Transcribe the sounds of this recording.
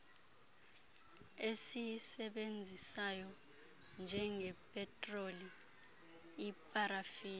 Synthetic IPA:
esisɛɓend͡zʱisajɔ | nd͡ʒʱɛŋɛpʼɛtʼroli | pʼaɾafiː

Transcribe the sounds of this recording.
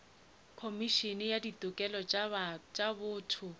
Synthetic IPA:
kʰomiʃinɪjadit̪ʼʊkʼɛlɔ | t͡ʃʼabʊːtʰʊ

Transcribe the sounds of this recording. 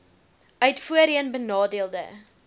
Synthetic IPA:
œɥtfuəɾiənbənɑːdiəlˠdə̰

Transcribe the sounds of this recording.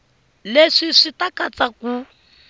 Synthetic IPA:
leʂiʂitakat͡saku

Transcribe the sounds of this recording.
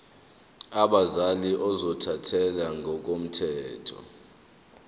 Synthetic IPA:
aɓazaliʔɔzɔtʰatʰɛlaŋɔk̬om̩tʰɛːtʰɔ̰

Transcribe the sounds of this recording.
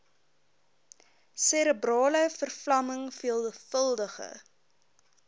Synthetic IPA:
seɾəbrɑːləfərflɐməŋfiəlˠəfəlˠdəχə̰

